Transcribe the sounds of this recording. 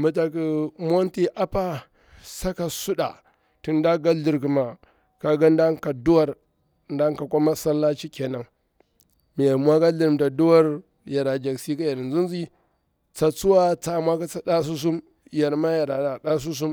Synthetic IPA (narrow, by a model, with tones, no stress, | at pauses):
ma˨ta˨ki˨mʷ˦o˦nti˦ʔa˦pa˦ | sa˦ka˨su˦ɗa̰˨ | ti˨nda˦ɡa˦ɮi˨ɾki˨ma˨ | ka˨ɡa˦nda˦ŋka˨du˦wa˨ɾ | nda˦ŋ˦ka˨ku˦ma˦sa˦lːa˦t͡ʃi˦ke˨na˨ŋ | mi˨ja˨ɾmwa˦ɡa˦ɮi˨ɾm˨da˨du˦wa˦ɾ | ja˨ɾa˨d͡ʒa˨ksi˦ka˦ja˨ɾi˨nzu˦nzi˦ | t͡sa˨t͡su˦wa˦t͡sa˨mwa˦ka˦t͡sa˦da˦s̬u˦s̬u˦m | ja˨ɾma˦ja˨ɾa˨ɗa˨ɗa˦s̬u˦s̬u˦m